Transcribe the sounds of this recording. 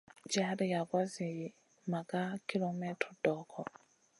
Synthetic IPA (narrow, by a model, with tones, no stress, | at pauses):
d͡ʒaɾi˨ja˨kwa˦zi˨ji | ma˨kʼa˦kʰi˦lɔ˨mɛ˦tʰɔdɔː˦kʰɔ˨